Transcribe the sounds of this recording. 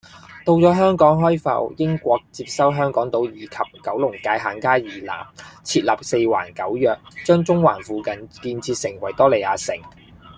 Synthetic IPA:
t̪o˧wt͡sɔː˨˥ɦœː˥ŋkɔː˨˥ŋɦɔː˥jfɐ̰˧wjɪ˥ŋkʷɔː˧k̚t͡siː˧p̚sɐ˥wɦœː˥ŋkɔː˨˥ŋt̪o˨˥wjiː˨kʰɐ˨p̚kɐ˨˥wlʊ˨˩ŋkaː˧jɦaː˨˥nkaː˥jiː˨˩la̰ː˨˩mt͡sʰiː˧t̚lɐː˨˩p̚se˧jwa̰ː˨˩nkɐ˨˥wjœː˨k̚t͡ʃœː˥ŋt͡sʊ˥ŋwa̰ː˨˩nfuː˨˧kɐ˨nkiː˧nt͡sʰiː˧t̚sɪ˨˩ŋwɐ˨˩jt̪ɔː˥le˨jaː˨˧sɪ˨˩ŋ

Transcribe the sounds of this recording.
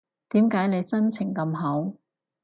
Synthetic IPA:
t̪iː˨˥mkaː˨˥jne˨˧jsɐ˥nt͡sʰɪ˨˩ŋkɐ˧mɦo˨˥w

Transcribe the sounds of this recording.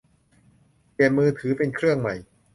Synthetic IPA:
pi˨˩ənmɯː˧t̪ʰɯː˩˦pe˧nkʰɾɯ˥˩əŋma˨˩j

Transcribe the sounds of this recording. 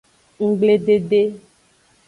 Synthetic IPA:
ŋ̩˦ɡ͡ble˦ɖe˨ɖe˦

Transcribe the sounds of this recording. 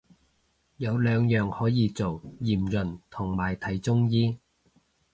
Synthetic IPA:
jɐ˨˧wlœː˨˧ŋjœː˨ŋhɔː˨˥jiː˨˧t͡so˨wjiː˨˩mlɵ˨˩nt̪ʰʊ˨˩ŋmaː˨˩jt̪ʰɐ˨˥jt͡sʊ˥ŋjiː˥

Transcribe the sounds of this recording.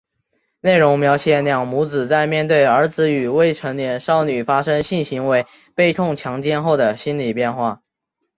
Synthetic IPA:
ne˥˩ɪɻʊ˧˥ŋmjɑ˧˥ʊɕjɛ˨˩˦nljɑ˨˩ŋmu˧˥t͡sɹ̩˨˩t͡sa˥˧ɪmjɛ˥˧nt̪we˥˩ɪə˞˧˥t͡sɹ̩˧˥y˨˩we˥˩ɪʈ͡ʂʰɤ˧˥ŋljɛ˧˥nʂɑ˥˩ʊny˨˩fa˥ʂɤ˥ŋɕi˥˩nɕi˧˥ŋwe˧˥ɪ | pe˥˧ɪt̪ʰʊ˥˩ŋt͡ɕʰjɑ˧˥ŋt͡ɕjɛ˥˧nxo˥˩ʊd̪ə˩ɕi˥nli˨˩pjɛ˥˧nxwa˥˩

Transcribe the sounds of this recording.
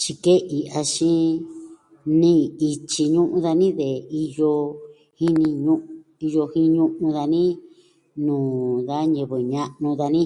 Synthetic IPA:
t͡ʃi˧ke˦ʔi˨˧ʔa˧ʃĩ˦ | nĩ˦i˧t͡ʃi˧ɲũ˦ʔũ˧ða˧nĩ˦ðe˨i˧jo˧ | hi˦nĩ˧ɲũ˦ʔ | i˧jo˧hĩ˦˧ɲũ˦ʔũ˧ða˧nĩ˦ | nũː˨ða˦ɲẽ˧˨βɨ˨ɲã˧ʔnũ˧ða˧nĩ˦

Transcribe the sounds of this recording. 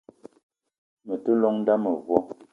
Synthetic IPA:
mə˨tə˦lɔ˦ŋn˦da˦mə˨vwɔ˦

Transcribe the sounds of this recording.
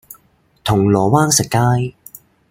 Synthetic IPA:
t̪ʰʊ˨˩ŋlɔː˨˩waː˥nsɪ˨˩kːaː˥j

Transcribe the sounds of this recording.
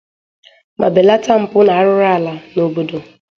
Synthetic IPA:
ma̰˨bɪ˨la˦ta˦m̩˨pʊ˦na˨a˦ɾʊ˦ɾa˦a˨la˨no˨bo˦do˨

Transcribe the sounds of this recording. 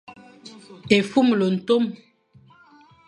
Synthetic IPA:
e˨fu˦˨mlo˨n̩˨to˦m

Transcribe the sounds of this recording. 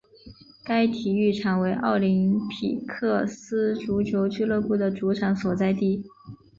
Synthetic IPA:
ka˥ɪt̪ʰi˨˩y˥˩ʈ͡ʂʰɑ˨˩ŋwe˧˥ɪʔɑ˥˩ʊli˧˥ŋpʰḭ˨˩kʰɤ˥˩sɹ̩˥ʈ͡ʂu˧˥t͡ɕʰjo˧˥ʊt͡ɕy˥˧lɤ˥˧pu˥˩d̪ə˩ʈ͡ʂu˧˥ʈ͡ʂʰa˧˥ŋswɔ˨˩t͡sa˥˧ɪt̪i˥˩

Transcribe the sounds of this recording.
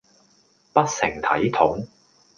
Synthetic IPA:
pɐ˥t̚sɪ˨˩ŋt̪ʰɐ̰˨˥jt̪ʰʊ˨˥ŋ

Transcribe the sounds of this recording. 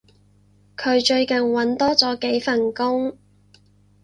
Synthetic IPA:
kʰɵ˨˧ɥt͡ʃɵ˧ɥkɐ˨˩nwɐ˨˥nt̪ɔː˥t͡sɔː˨˥ke˨˥jfɐ˨˩nkʊ˥ŋ

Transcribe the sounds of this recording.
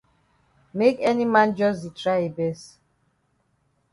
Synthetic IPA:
me˦kɛ˦ni˦mã˦nd͡ʒɔ˦s̬di˨tɾa˦i˨bɛ˦s

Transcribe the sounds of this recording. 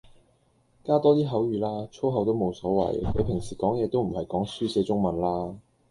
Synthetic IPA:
kaː˥t̪ɔː˥t̪iː˥ɦɐ˨˥wjyː˨˩laː˥t͡ʃʰo˥ɦɐ˨˥wt̪o˥wmo˨˧wsɔː˨˥wɐ̰˨˩jkʰɵ˨˧ɥpʰɪ˨˩ŋsiː˨˩kɔː˨˥ŋjɛː˨˧t̪o˥wm̩˨˩hɐ˨jkɔː˨˥ŋsyː˥sɛː˨˧t͡sʊ˥ŋmɐ˨nlaː˥

